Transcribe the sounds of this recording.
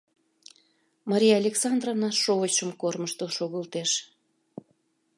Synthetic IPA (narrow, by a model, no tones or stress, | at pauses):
mɑɾʲijɑlʲeksɑnd̪rovnɑʃoɣət͡ɕəmkorməʃt̪əʃoɣəlt̪eʃ